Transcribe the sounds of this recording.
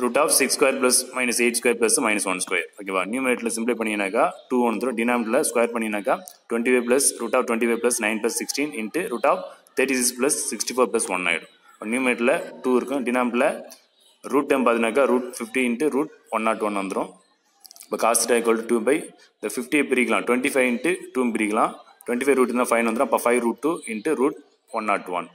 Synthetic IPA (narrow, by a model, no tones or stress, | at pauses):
ɾuːʈaːpsɪkskwɐjɐɾplɐsmɐɪnɐseːʈskɐjɐɾplɐsmɐɪnɐsʋɐnskwɐjɐ̰ɾoːkeʋa̰ːnjuːmeːʈlɐsɪmpleːpɐɳːɪɪnːaːkːaːʈuːʋɐnɐnd̪ɾʊ̃ɖɪnaːmɪʈlɐskwɐjɐɾpɐɳːɪɪnaːkːaːʈʊʋɛ̃ɳʈiʋeːp̬lɐsɾuːʈaːpʈʊʋɛ̃ɳʈiʋeːplɐsnɐɪnplɐsːɪksʈĩːnɪɳʈːɯɾuːʈaːp̚t̪ʰɐːʈisɪksplɐsːɪksʈifoːɾplɐsʋɐnːa̰ːɪɽṵ̃ | bɐnjuːmeʈːlɐʈuːɪɾɯkːʊ̃ɖɪnaːmʈlɐ | ɾuːʈːempaːðɪnaːk̬ːaːɾuːʈ̚fɪfʈiɪɳʈːɯɾuːʈ̚ʋɐnːaːʈːʋɐnʋɐnd̪ɯɾʊ̃ | pɐkaːsɪʈɐɪkolɖɯʈuːbɐɪ | ɪnd̪ɐfɪfʈiepɪɾikːɐlãːʈwʋɛɳʈifɐɪʋɪɳʈːɯʈuːmbɪɾikːɐlãː | ʈʊwɛɳʈifɐɪɾuːʈ̪ːãːfɐɪnʋɐnd̪ɾ̃ɐpːaːfɐɪʋɾuːʈ̚ʈːuːɪɳʈɯɾuːʈ̚ | ʋɐnːaːʈːʋɐ̰n